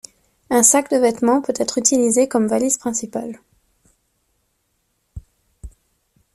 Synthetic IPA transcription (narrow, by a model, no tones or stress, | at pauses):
ɛ̃sakd̪əvɛt̪mɑ̃pøt̪ɛt̪χyt̪ilizekɔmvaliz̥pχɛ̃sipal